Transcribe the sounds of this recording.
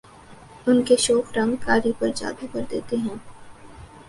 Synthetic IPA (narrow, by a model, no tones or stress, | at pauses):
ʊnkeʃɔːkɾɐ̃ŋkaːɾipɐɾd͡ʒa̰ːd̪upɐɾd̪eːt̪eɦɛ̃ː